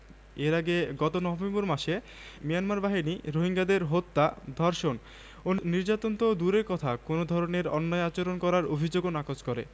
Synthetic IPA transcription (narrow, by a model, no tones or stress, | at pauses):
eɾaɡeɡɔt̪onɔvʱemboɾmaʃe | mijanmaɾbaɦiniɾoɦiŋɡad̪eɾɦot̪ːad̪ʱɔɾʃon | oniɾd͡ʑat̪ont̪od̪uɾeɾkɔt̪ʰakonod̪ʱɔɾoneɾɔnːɔeat͡ɕoɾonkɔɾaɾobʱid͡ʑoɡonakod͡ʑkɔɾḛ